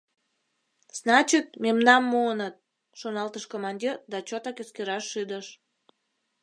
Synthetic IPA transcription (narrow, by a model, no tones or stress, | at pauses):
z̥nɑt͡ɕit̪̚memnɑmːuənət̪̚ | ʃonɑlt̪əʃkomɑnʲd̪ʲird̪ɑt͡ɕot̪ɑkøskeɾɑʃːyd̪əʃ